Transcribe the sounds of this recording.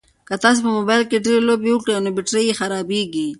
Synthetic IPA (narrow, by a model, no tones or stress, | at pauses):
kat̪ɑs̬opəmobɑjlkeɖeɾelobeʊkɽenobɪʈɾejexaɾɑbeɡi